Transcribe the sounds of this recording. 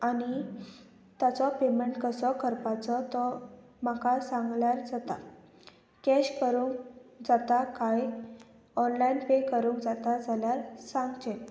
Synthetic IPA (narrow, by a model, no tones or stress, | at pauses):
ani | t̪jat͡sɔpemeɳʈkəsɔkʰəɾpat͡sɔt̪ɔ | makasãŋɡljaɾd͡zat̪a | kɛɕkəɾũːŋkd͡zat̪akaj | ɔnlainpekəɾũːŋkd͡zat̪ad͡zaljaɾsãŋɡt͡ɕe